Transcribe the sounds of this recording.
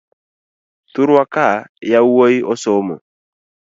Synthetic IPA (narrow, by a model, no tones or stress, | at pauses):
t̪uɾakajauəiʔɔsɔmɔ̰